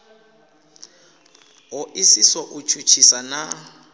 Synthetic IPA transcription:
ɦʊʔisisɔʔut͡ʃʰut͡ʃʰisana

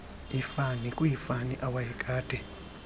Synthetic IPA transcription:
ifanikʼujifaniʔawajikʼaːd̥ʱɛ

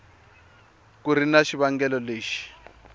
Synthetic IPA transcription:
kuɾinaʃiβaŋɡɛlɔleːʃi̥

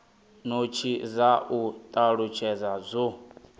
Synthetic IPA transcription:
not͡ʃʰizaʔut̪ʼaɺut͡ʃʰɛd͡zazʷo

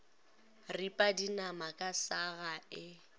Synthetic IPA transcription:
ripʼadinamakʼasaɣaɪ

